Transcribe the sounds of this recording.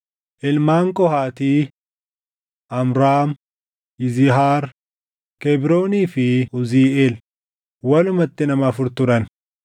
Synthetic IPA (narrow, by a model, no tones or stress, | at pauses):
ʔɪlmaːŋkʼɔhaːt̪iː | ʔɐmɾaːm | ɪzɪɦaːɾ | kɛbɾo̞ːniːfɪʊziːʔeːl | wɐlʊmɐt̪ːɪnɐmɐːfʊɾt̪ʊɾɐn